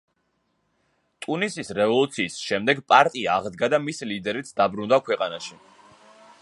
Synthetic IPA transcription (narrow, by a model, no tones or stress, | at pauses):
t̪ʼunisisɾɛvɔlˠut̪sʰiːsʃɛmd̪ɛɡpʼaɾt̪ʼiaːʁd̪ɡad̪amisilid̪ɛɾit̪sʰd̪abɾund̪akʰwɛqʼanaʃi